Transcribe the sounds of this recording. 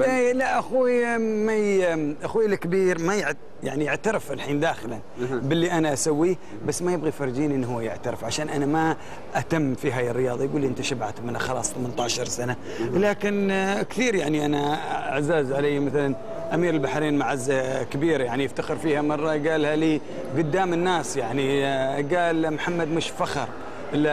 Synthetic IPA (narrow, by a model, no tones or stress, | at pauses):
alaʔaxumajʔaxuːjlkbiːɾmajɪʕ | ja̰ʕnijɪʕt̪aɾɪfalħiːnd̪aːxɪlanbɪlːiʔanaʔasawːiː | basːmajɪbɣifɑɾˤːd͡ʒiːnʔɪnːɦuːjɪʕt̪aɾɪfʕaʃaːnʔanama | ʔat̪amːfiɦaːjɪrːɪjɑːðˤɑjɡuːlːiʔɪnt̪aʃabʕat̪mɪnaxɑlɑːsˤt̪amɪnt̪ɑːʕʃɑɾˤsana | laːkɪnkθiːɾjaʕniʔanaa̰ʕzaːzʕalajːmaθalan | ʔamiːɾɪlbaħɾiːnmaʕazːakɪbiːɾjaʕnijɪft̪axɪɾfiːhamɑrˤːɑɡaːlhaliː | ɡʊd̪ːaːmɪnːaːsjaʕniɡaːlmħamːad̪mɪʃfaxɑɾˤ | ʔɪlːa